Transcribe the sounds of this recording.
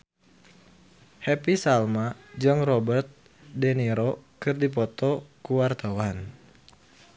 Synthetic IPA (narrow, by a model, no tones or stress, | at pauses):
hɛpisalmad͡ʒɨŋrɔbərt̪̚ | dɛniɾɔkɨrdip̬ɔt̪ɔkuwart̪awan